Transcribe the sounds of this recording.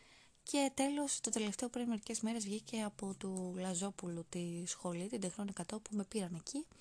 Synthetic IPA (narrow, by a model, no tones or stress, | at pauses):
cʰe̞t̪e̞lo̞st̪o̞t̪e̞le̞ft̪e̞o̞pɾinme̞ɾice̞zme̞ɾe̞zvʝice̞ɐpo̞t̪ulɐzo̞pulut̪isxo̞lit̪ind̪exnonikɐt̪o̞pume̞piɾɐne̞ci